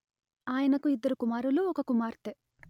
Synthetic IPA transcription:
aːjɐnɐkuid̪ːɐɾukumaːɾuluɔkɐkumaːɾt̪e

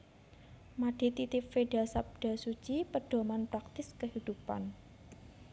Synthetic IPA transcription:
maɖ̥it̪it̪ɪpfeɖasap̚d̥asut͡ʃipəɖ̥o̤manpɾak̚t̪ɪskəhid̪̥upa̰n

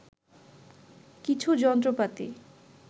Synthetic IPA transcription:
kit͡ɕʰud͡ʑɔnt̪ɾopat̪ḭ

